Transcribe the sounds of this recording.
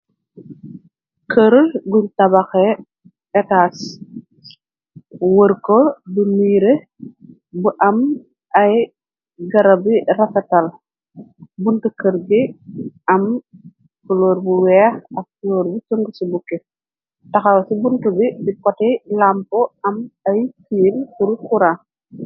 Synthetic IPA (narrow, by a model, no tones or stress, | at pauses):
kʰəɾlɡuntɐbɐxɛ | ɛtaːs | wəɾkɔbuniːɾe | buʔɐm | ʔɐj | ɡɐɾɐbirɐfɐtɐl | buntukəɾbiɐm | fuloːɾbuwɛːxɐk̚fuloːɾbut͡ʃuŋɡusibukɛ | tɐxɐwsibuntubibikɔtɛlampɔɐmɐjfiːlkuɾkuɾa